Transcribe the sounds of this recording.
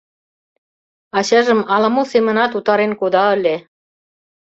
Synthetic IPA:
ɑɕɑʒə̆mɑlɑmosemə̆nɑt̪ut̪ɑɾenkod̪ɑə̆lʲe

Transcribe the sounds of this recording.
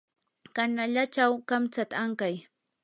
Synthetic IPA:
kanaʎat͡ʃawkamt͡sat̪aaŋkaj

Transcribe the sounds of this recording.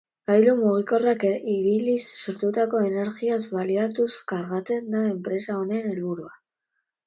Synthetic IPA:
ɡ̥ajlumuɣ̞iko̞rakiβilisːoɾt̪ut̪ako̞e̞ne̞ɾɣiazβaliat̪uskaɾɣat͡se̞nd̪ae̞mpɾe̞sao̞nene̞lβuɾua

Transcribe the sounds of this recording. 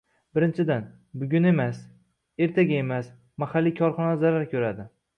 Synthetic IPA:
bɪɾɪnt͡ʃʰɪd̪an | bʊɡʲʊne̞mas | e̞ɾt̪ʰaɡʲae̞mas | mahalːikʲʰɒɾχɒnazaɾaɾkʲʰɵɾad̪ɪ

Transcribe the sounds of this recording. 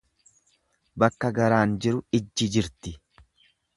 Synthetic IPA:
bɐkːɐɡɐɾaːnd͡ʒɪɾʊɪd͡ʒːɪd͡ʒɪɾt̪ɪ

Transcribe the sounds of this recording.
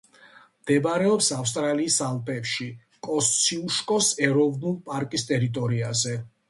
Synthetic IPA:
md̪̥ɛbɾɛɔpsafst̪ʼɾaliːsalˠpʼɛpʃi | kʼɔssʰiuʃkʼɔsɛɾɔvnulˠpʼaɾkʼist̪ʼɛɾit̪ʼɔɾiazɛ

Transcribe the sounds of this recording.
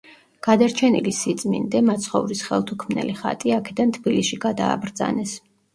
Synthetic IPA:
ɡ̥ad̪aɾt͡ʃʰɛnilisit̪sʼmḭnd̪ɛmat̪sʰχɔvɾisχɛlˠt̪ʰukʰmnɛ̰liχa̰t̪ʼiakʰɛd̪ant̪ʰb̥ilisʃiɡad̪a̰ːbɾd̪za̰nɛs

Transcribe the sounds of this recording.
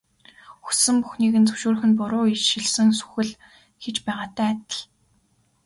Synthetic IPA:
xu̥sɘ̆mpuxniːɣɘ̆nt͡sɵ̥wʃuːɾ̆xɘ̆npʊɾʊːiʃɪ̆ɮsɘ̆ŋsu̥xɘ̆ɮ | xet͡ɕpæːʁaːt̪æːt̪ə̆ɮ

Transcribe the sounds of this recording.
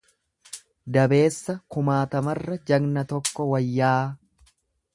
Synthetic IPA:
d̪ɐbe̞ːsːɐkʊmaːt̪ɐmɐrːɐd͡ʒɐɡnɐt̪ɔkːɔwɐjːaː

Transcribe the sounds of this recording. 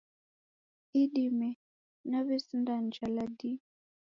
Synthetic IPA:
iɗimɛ | naβɛsindand͡ʒaladi

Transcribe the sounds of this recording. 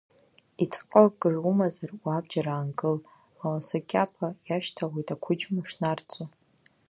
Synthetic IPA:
itʰqʼəɡɨrumazarwabd͡ʒaɾaːnɡʼɨl | awasakʲʼapʰajaʃtʰaʁojtʼakʷʰʊd͡ʒmɨʂnart͡sʼu

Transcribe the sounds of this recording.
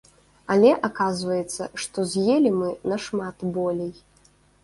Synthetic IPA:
ɐlʲɛʔakazvɐjɛt̪sːɐʂt̪ɔzʲjelʲimɨnɐʂmat̪bɔlʲej

